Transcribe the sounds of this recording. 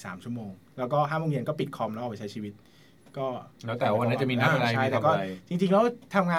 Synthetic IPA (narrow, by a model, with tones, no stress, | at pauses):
sa̰ː˩˦mt͡ɕʰu˥˩ə˨moː˧ŋ | lɛː˦˥wkɔː˥˩ɦaː˥˩moː˧ŋji˧nkɔː˥˩pi˨˩kʰɔː˧mnɔː˥˩˨pa˧˩t͡ɕa˦˥jt͡ɕʰiː˧˩wi˦˥t̪̚ | kɔː˥˩lɛː˦˥wt̪ɛː˨˩˦wa˧na˦˥t͡ɕa˨˩miː˧na˦˥˧ka˧t͡ɕʰa˥˧˩jt̪ɛː˨˧˩kɔː˥˩˧t͡ɕi˧ŋt͡ɕi˧ŋlɛ˦˥wt̪ʰa˧mŋaː˧